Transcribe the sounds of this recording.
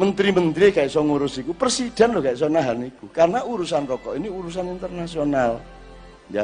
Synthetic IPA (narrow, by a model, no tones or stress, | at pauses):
mənt̪ɾimənt̪ɾiekaɪʔsɔŋuɾʊsikupərsid̪̥a̤nlɔkaɪʔs̬ɔnaɦanikukarnaʔuɾusanrɔkɔʔiniuɾus̬anint̪ərnasional | ja